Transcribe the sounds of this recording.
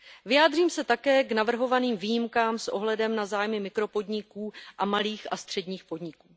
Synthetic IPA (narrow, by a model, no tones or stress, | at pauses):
vɪjaːd̪r̝iːmsɛt̪akɛːknavr̩ɦo̞vaniːmviːjimkaːmsʔo̞ɦlɛdɛmnazaːjmɪmɪkɾo̞po̞dɲɪkuːʔamaliːxast̪r̝̥ɛdɲiːxpo̞dɲɪkuː